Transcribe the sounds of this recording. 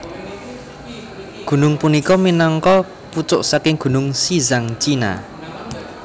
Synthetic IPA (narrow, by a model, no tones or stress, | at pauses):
ɡ̥ṳnʊŋpunikɔminɔŋkɔ | put͡ʃʊʔsakɪŋɡ̥ṳnʊŋsizaŋt͡ʃina̰